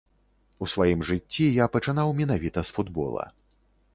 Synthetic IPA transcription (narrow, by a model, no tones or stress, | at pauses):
usvajimʐɨt͡sʲːijapɐt͡ʂɨnawmʲin̪avʲit̪ɐsfud̪bɔ̰lˠɐ̰